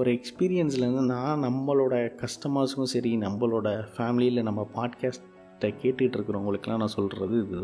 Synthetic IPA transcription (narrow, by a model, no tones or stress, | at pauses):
ɔɾɯɛkspiːɾɪjɐnsɪlɐɾɯnd̪ɯnãːnɐmːɐɭoːɽɐkɐʂʈɐmaːskʊ̃sɛɾinɐmːɐɭoːɽɐfaːmɪlɪjɪlnɐmːɐpaːɖkaːsʈː | ɐkeːʈːɯɪʈːɪɾɯkːɯɾõːʊŋɡɐɭɯkːɛlːãːnãːsɔlɾɐðɯɪðɯ